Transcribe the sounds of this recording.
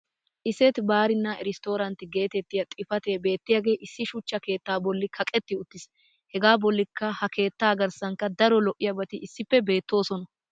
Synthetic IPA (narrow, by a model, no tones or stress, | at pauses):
ʔɪsɛt̪baːɾɪnːɐʔɛɾɪst̪o̞ːɾɐnt̪ɪɡe̞ːt̪ɛt̪ːɪjɐt̪ʼɪfɐt̪e̞ːbe̞ːt̪ːɪjaːɡe̞ːʔɪsːɪʃʊt͡ʃːɐke̞ːt̪ːaːbɔlːɪkʰɐkʼɛt̪ːɪʊt̪ːɪs | hɛɡaːbɔlːɪkːɐhɐkʰe̞ːt̪ːaːɡɐɾsɐŋkːɐd̪ɐɾɔlɔʔɪjɐbɐt̪ɪʔɪsːɪpːɛbe̞ːt̪ːo̞ːsɔnɐ